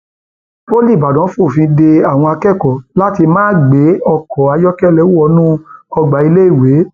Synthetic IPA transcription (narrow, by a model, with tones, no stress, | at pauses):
po˦li˦˨ba˨dɔ̃˨˦fo˦˨fĩ˧de˧a˦˨w̃ɔ̃˧a˧kɛ˦˨kɔ˨la˦ti˧mãː˦˨ɡ͡be˨˦ɔ˧kɔ˨a˨˧jɔ˦kɛ˦˨lɛ˦˨wu˦ɔ˧˦nũ˦ɔ˧ɡ͡ba˨i˧le˦i˦˨we˨˦